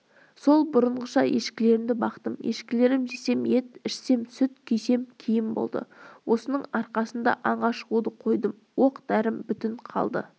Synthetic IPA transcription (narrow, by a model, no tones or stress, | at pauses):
so̞lˠbʊɾəɴʁəʃɑje̞ʃkʲɪle̞ɾɪmd̪ɪbɑqt̪əmje̞̰ʃkʲɪle̞ɾɪmʒe̞se̞mje̞t̪ɪʃse̞msʏt̪kʲʰejse̞mkʲʰijɪmbo̰lˠd̪ə̰wʔo̞sənəɴɑɾqɑsənd̪ɑ̰ʔɑɴʁɑʃəʁud̪əqʰo̞jd̪əm | wo̞qd̪̥æɾɪmbʏt̪ɪɴqʰɑ̰lˠd̪ə̰